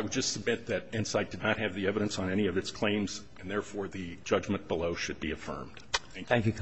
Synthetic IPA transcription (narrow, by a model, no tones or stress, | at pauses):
aɪwəd̚d͡ʒʌstsəb̚mɪt̪̚ðɨɾɪ̃nsaɪt̚d̥ɨdⁿnət̚ɦɨvðiɛvɨɾɨ̃nsn̩ɛɾiʌvɨtskʰl̥ẽɪ̃mz | ɨ̃nðɛɹfɔɹðɨd͡ʒʌd͡ʒmɨ̃nb̥əloʊʃɨd̚biɨfɜ̰̃˞md̥θæ̃ŋæ̃ŋk